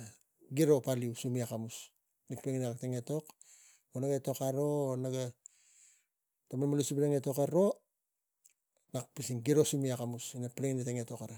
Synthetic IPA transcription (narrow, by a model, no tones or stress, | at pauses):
ɡiɾo̞paliusumiakamus | nik̚peŋinakakteŋeto̞k | onaɡaeto̞kaɾo̞ːnaɡa | tamanamalusipleŋeto̞kaɾo̞ | nak̚pisiŋɡiɾosumiakamusinapleŋineteŋeto̞kaɾa